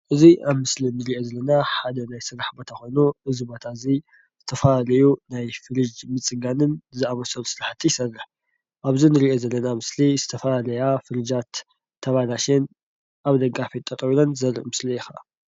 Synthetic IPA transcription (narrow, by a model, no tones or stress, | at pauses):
ʔɨziʔaβmɨslinɨɾiʔo̞zɐlːɐnaħad̪ɐnajsɨɾaħbɐt̪ʰɐxonuʔɨzibo̞t̪ʰazi | zɨt̪ʰɐfalalɐjunajfɨɾɨd͡ʒmɨt͡sʼɨɡanɨnzɨaβɐsɐlusɨɾaħt̪ʰːijɪsɐrːɨħ | ʔaβzinɨɾiʔo̞zɐlːɐnamɨslizɨt̪ʰɐfalalɐjafɨɾɨd͡ʒat̪ʰː | ɐβalaʃen | ʔaβd̪ɐɡafit̪ʼːɐt̪ʼβilonzɐɾɨ̰ʔmɨslijɪxa